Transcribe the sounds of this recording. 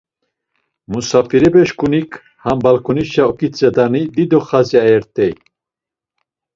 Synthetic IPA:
musafiɾɛbɛʃkunikʰ | hambalkʰuniʃaɔkit͡sʼɛd̪anid̪id̪ɔχaziajɛɾt̪ʼɛj

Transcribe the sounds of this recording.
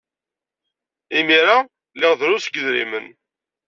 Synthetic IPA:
imiɾa | lɪʁðɾʊsɡəðɾḭmən

